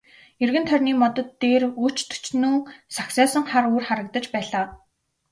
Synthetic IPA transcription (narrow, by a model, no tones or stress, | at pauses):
erɣɘ̆nt̪ʰœrʲniːmɔt̪ɞ̆t̪ːeːru̥t͡ɕt̪ʰu̥t͡ɕnuːsaksɔːsə̆ŋχaɾuːrχaɾə̆k̚t̪ə̆t͡ɕpæːɮaː